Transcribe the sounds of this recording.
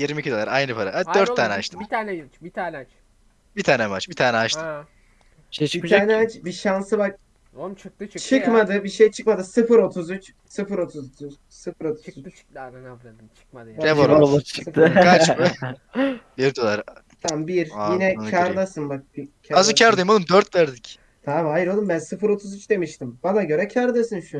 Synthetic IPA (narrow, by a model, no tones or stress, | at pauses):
jiɾmicʰid̪olˠaɾajnɯpʰaɾaad̪øɾt̪ʰːaːnɛaʃt̪ʰɯmt̪ʰaːnɛt͡ʃbit̪ʰaːnɛt͡ʃ | bit̪ʰaːnɛmat͡ʃbit̪ʰaːnɛat͡ʃt̪ʰɯ | bit̪ʰaːnɛt͡ʃbiʃansɯbak̚ | ot͡ʃʰɯk̚t̪ɯt͡ʃt͡ʃʰɯkmad̪ɯbiʃejt͡ʃʰɯ̥kmad̪ɯsɯfɯɾo̞t̪ʰuzyt͡ʃ | sɯfɯɾo̞t̪ʰuzt͡ʃ | sɯfɯɾo̞t̪ʰut͡ʃ | banɛvoɾʰsɯfka | biɾd̪olˠaɾ | t̪ʰambiɾjinɛcʰaɾd̪asɯnbak̚bicʰaazɯcʰaɾd̪ajmonumd̪øɾt̪væɾd̪ic | t̪ʰaːmajiɾolˠumbænsɯfɯɾo̞t̪ʰuzyt͡ʃd̪e̞miʃt̪imbanaɟø̞ɾɛcʰaɾd̪asɯnʃu